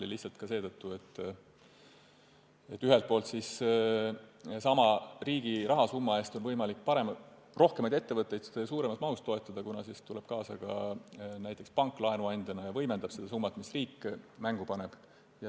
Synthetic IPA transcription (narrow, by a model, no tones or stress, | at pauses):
iliçtsɑlt̪kɑse̞ːd̪ɤt̪ːuet̪ː | et̪ːyɦelt̪̚po̞ːlt̪sis | sɑmɑriːɡ̥irʔɑɦɑsumːɑe̞ːst̪o̞nvɤjmɑlikːˑpɑɾe̞m | ro̞hkemɑjd̪e̞t̪ːe̞vɤt̪ˑːe̞jd̪ssuːɾe̞mɑst̪̚mɑɦust̪o̞et̪ːˑɑd̪̥ɑkunɑsist̪ule̞b̥̚kɑːsɑkɑ̰næjt̪ːˑe̞kspɑŋkːˑlɑenuɑnʲd̪̥ʲɑnɑjɑvɤ̞jmend̪ɑb̥sed̪ɑsumːɑt̪ˑmisriːkːmæŋɡ̥upɑne̞b̥ | jɑ